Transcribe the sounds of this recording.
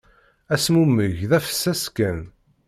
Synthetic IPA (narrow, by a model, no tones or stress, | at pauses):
æsmumːəʝðæfə̥sːæskːæn